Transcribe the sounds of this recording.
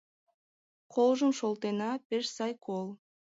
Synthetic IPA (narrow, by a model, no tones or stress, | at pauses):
qʰolˠʒumʃolˠt̪enɑpɪɾsɑjkʰolˠ